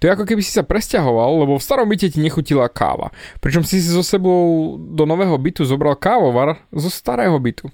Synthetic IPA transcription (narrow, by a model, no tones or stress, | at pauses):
t̪ɔjɛakɔk̬ɛbisi̥sapɾɛscaɦɔʋalˠːɛbɔfst̪aɾɔmbicɛciɲɛxucilakʰa̰ːʋa̰pɾit͡ʃɔmsizɔsɛbɔʊd̪ɔnɔʋɛːɦɔbit̪uzɔbɾalkaːʋɔʋaɾzɔst̪aɾɛːɦɔbit̪u